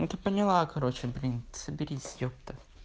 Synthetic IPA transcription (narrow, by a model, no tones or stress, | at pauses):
ɛt̪əpənʲɪlˠakɐɾot͡ɕɪbɾʲint̪səbʲɪɾʲisʲjʲop̚t̪ə